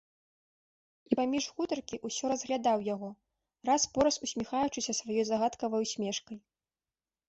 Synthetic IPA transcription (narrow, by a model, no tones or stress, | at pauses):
ipamʲiʐɣut̪ɐrkʲiʔusʲɔɾɐzɣlʲad̪awjaɣɔ | raspɔɾɐsusʲmʲixajut͡ʂɨsʲɐsvajɔjzaɣat̪kɐvɐjwsʲmʲɛʂkɐj